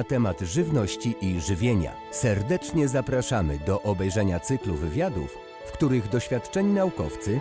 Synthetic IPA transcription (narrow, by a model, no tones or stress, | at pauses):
at̪ɛmad̪ʐɘvnɔɕt͡ɕiʔiʐɘvʲjeɲa̰ | sɛɾd̪ɛt͡ʂɲɛzapɾaʂamɘd̪ɔʔɔbɛjʐɛɲat̪sɘkluvɘvʲjad̪ṵfː | kt̪uɾɘɣd̪ɔɕfʲjat̪t͡ʂɛɲinaukɔft̪sɘ